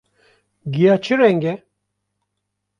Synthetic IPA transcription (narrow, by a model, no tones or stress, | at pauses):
ɡijat͡ʃʰiɾɛŋɡɛ